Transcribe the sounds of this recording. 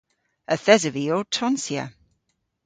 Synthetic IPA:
əθɛzəviɔtʰɔnsja̰

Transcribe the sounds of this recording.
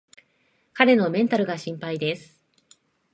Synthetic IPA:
kaɾe̞no̞mẽ̞nt̪aɾɯ̟ɡaɕĩmpaid̪e̞sɨ̥

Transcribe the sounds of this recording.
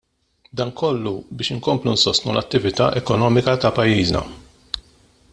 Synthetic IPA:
d̪ɐːŋkʰɔlːubɪːʃɪŋkɔmplunsɔst̪nulʔɐt̪ːɪvɪt̪ɐ̰ːʔɛkɔnɔːmɪkɐt̪ɐpɐjːiːznɐ̰

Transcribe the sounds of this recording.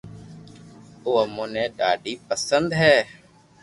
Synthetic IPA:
oːəmoːnẽːɗaːɖiːpəsənd̪ɦɛː

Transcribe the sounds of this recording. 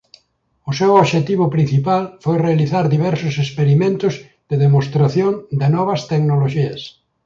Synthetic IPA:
ʊsewoβʃet̪iβʊpɾin̟θipalfojrealiθaɾðiβɛɾsʊsespeɾimẽnt̪ʊz | ðɪðemost̪ɾaθjoŋd̪ɪnɔβɐst̪eknoloʃiɐs

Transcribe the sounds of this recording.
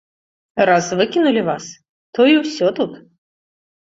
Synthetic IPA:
ɾazvɨkʲinulʲɪvas | t̪ɔjiwsʲɔt̪ut̪

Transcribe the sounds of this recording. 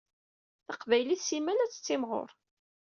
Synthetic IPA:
θəqvæjliθsimænæt͡sːə̥t͡sːɪmʁo̰ɾ

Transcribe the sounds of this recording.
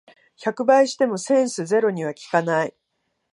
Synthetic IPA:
çakɯ̟baiɕi̥t̪e̞mo̞sẽ̞ɰ̃sɨze̞ɾo̞ɲ̟iβ̞akʲi̥kanai

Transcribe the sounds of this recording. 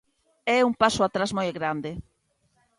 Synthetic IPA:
ɛumpasoat̪ɾazmojɣɾand̪ɪ

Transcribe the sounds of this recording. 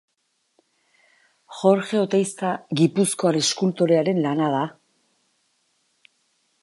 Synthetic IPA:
xo̞ɾxe̞ot̪ejst̪aɣipusko̞aɾeskult̪o̞ɾe̞aɾe̞nlanað̞a

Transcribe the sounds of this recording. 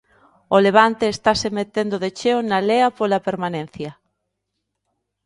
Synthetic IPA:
oleβ̞ant̪eːst̪asemet̪end̪oðet͡ʃeonaleapolapeɾmanẽn̟θjɐ

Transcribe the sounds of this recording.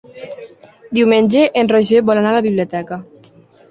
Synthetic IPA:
d̪iwmenʲd͡ʒeʔenroʒebɔlanalaβiβliot̪ɛka

